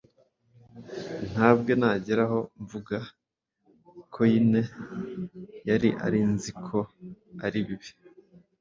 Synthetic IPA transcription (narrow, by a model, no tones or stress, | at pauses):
n̥haːb̚ɡo̞naːɟeɾaho̞ɱvuɡa | kʰo̞jine̞ | jaɾiʔa̰ɾinzikʰo̞aɾiβiβ